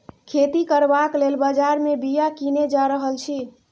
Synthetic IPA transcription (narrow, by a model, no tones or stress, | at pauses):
kʰet̪ikəɾbaklelbəd͡ʒaɾmebijakined͡ʒaɾəɦəlt͡ʃʰi